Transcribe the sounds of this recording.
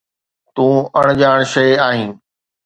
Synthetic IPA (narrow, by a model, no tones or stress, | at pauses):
t̪ũːɐɽ̃d͡ʑaːɽ̃ʃɐɪaːɦĩː